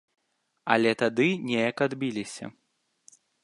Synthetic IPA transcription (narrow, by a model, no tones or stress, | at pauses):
ɐlʲɛt̪ad̪ɨnʲɛjɐkad̪bʲilʲisʲɐ̰